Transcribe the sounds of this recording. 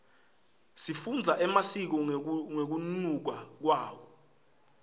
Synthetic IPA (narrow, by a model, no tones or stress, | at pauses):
sifund͡zʱaʔɛmasik̬ɔŋek̬unnuk̬wak̬waːwɔ